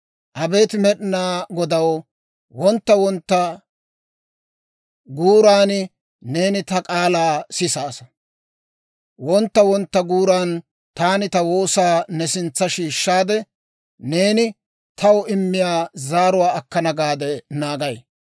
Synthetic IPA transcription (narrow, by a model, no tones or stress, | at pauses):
ʔɐbe̞ːt̪ɪmɛɗɪnaːɡɔd̪ɐwɔ | wɔnt̪ːɐwɔnt̪ːɐ | ɡuːɾaːnɪ | ne̞ːnɪt̪ɐkʼaːlaːsɪsaːsɐ̥ | wɔnt̪ːɐwɔnt̪ːɐɡuːɾaːn | t̪aːnɪt̪ɐwo̞ːsaːnɛsɪnt͡sːɐʃiːʃːaːd̪ɛ | ne̞ːnɪ | t̪ʰɐwɔɪmːɪjaːzaːɾʊwaːɐkːɐnɐɡaːd̪ɛnaːɡɐj